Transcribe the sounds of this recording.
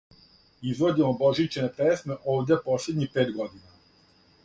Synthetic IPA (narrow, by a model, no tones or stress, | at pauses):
izʋod͡ʑemobo̞ʒit͡ɕenepesme̞ʔoːʋd̪ʲepo̞sled̪ɲixpeːt̪ɡo̞d̪ina